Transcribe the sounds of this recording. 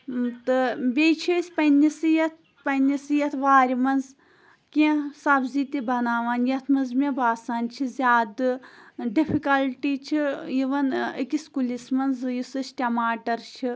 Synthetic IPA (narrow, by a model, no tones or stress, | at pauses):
t̪ɨbʲet͡ʃʰisʲpɐnʲisɨjɐt̪̚ʰ | pɐnʲisɨjɐt̪ʰʋaːɾʲimɐnz | kiẽsɐbziːt̪ibɐnaːʋaːnjɐt̪ʰmɐnzmebaːsaːnt͡ʃʰizʲaːd̪ɨɖifʰikɐlʈiːt͡ʃʰijiʋɐnikʲiskulismɐnzjisɨsʈʲɐmaːʈɐɾt͡ʃʰi